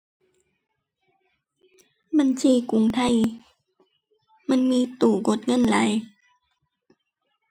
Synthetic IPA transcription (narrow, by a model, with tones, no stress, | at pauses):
ba˧˨nt͡ɕʰiː˧˩ku˨˦ŋt̪ʰa˧˥˨j | ma˧˥˨nmiː˧˥˨t̪uː˨˩ɡo˧˦t̪̚ŋɤ˧˥˨nla˨˦j